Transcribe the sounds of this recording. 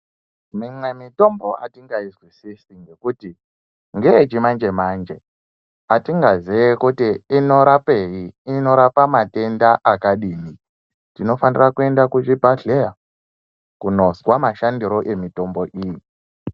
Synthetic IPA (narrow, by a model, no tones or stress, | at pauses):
mimwe̞mito̞mbo̞a̰tiŋɡaizwisisiŋɡe̞kuti | ŋɡeːt͡ʃimand͡ʒe̞maːnd͡ʒe̞ | atiŋɡaziekutiino̞ɾape̞jiino̞ɾapamate̞ndaʔakaɗiːni | tino̞fanirakue̞ndakut͡ʃipaɮeja | kuno̞swamaʃandiɾo̞ʔe̞mito̞mbo̞ʔiːji